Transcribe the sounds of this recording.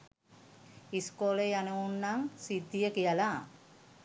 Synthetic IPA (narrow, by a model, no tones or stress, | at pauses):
iskolejanəunːaŋsid̪ːijəkijəla